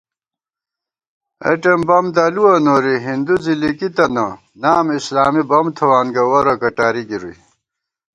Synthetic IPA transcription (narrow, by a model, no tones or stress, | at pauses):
ɐ̰ʈembɐmd̪ɐluɐnoɾiɦind̪uzilikit̪ɐnɐ | naːmislaːmibɐmt̪ʰɐwaːnɡɐwɐɾɐkɐʈaːɾiɡiɾuj